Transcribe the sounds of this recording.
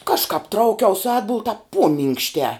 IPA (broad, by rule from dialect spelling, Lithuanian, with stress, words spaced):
ˈkɑːʃkɑːp ˈtrɐʊkʲɛʊs ˈɑːdbʊlˠ tɑːp ˈpuɔmʲɪŋkʃʲtʲɛː